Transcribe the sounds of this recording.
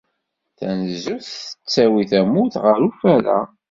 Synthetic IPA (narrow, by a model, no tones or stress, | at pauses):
θæ̰nəzːuθə̥t͡sːæwiθæmuθʁəɾufæɾæ̰